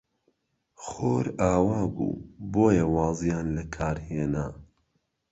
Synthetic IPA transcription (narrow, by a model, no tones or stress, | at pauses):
xoːɾaːwaːbṵːboːjɐwɑːzijaːnlɐkʰaːɾheːnaː